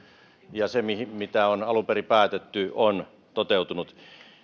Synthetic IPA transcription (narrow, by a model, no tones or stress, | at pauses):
jɑsemihimit̪æonɑluperipæːt̪et̪ːyon | t̪ot̪eˑut̪unut̪